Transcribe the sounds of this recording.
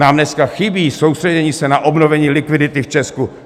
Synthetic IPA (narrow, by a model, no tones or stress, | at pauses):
naːmnɛskaxɪbiːso̞wstr̥ɛɟɛɲiːsɛnaʔo̞bnovɛɲiːlɪkvɪdɪt̪ɪft͡ʃɛsku